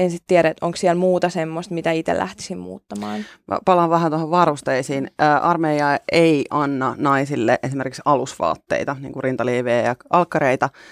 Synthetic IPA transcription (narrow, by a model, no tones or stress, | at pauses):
ensit̪t̪iæɾæet̪ʔoŋksiɛlmuːt̪ɑsemːost̪mit̪æit̪ḛlʔæ̰ht̪i̥simmṵːt̪ːɑmɑ̰ːnɑ̰pɑlɑʋʋæhænt̪ohoʋʋɑrust̪eisiːnːʔɑrmejɑeiʔɑnːɑnɑisilːḛʔesimerkiksɑlusʋɑ̰ːt̪ːḛit̪ɑnḭŋkurint̪ɑliːʋeːjɑʔɑlkːɑɾeit̪ɑ